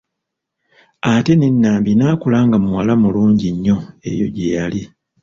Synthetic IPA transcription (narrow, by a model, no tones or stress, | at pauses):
ate̞ne̞nːaːmbinaːkulaːŋɡamuwalamuluːɲɟiɲːo̞e̞̰jo̞̰ɟejali